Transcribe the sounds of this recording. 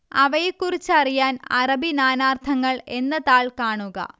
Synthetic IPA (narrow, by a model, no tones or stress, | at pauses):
ɐʋɐjekːurit͡ɕːɨɐrijaːnɐrɐbinaːnaːrt̪ʰɐŋːɐɭe̞nːɐðaːɭkaːɳuɣɐ̰